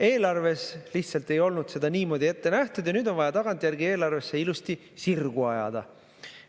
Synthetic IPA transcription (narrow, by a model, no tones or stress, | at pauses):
e̞ːlɑrve̞sliht̪sɑlt̪e̞jo̞lnud̪se̞d̪ɑniːmo̞ːd̪ʲie̞t̪ːe̞næht̪ud̪̥jɑnyːd̪̥o̞nvɑjɑt̪ɑɡ̥ɑnt̪ʲːˑjærɡie̞ːlɑrve̞sːe̞ilust̪i | sirɡ̥uɑjɑ̰d̪̥ɑ̰